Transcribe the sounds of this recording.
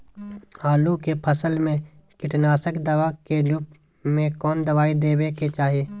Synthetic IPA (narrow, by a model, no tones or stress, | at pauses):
aːlukepʰəsəlmẽ | kɪʈnaːsəkd̪ɐʋaːkelup | mẽkɔːnd̪əʋaːid̪eːbeket͡ʃaːɦieː